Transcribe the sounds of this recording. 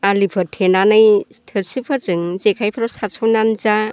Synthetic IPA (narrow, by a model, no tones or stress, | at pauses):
alipʰɯɾtʰenanɯj | tʰɯɾsɯpʰɯɾzɯŋzekʰajpʰaɾɔwsaɾsʰawnanza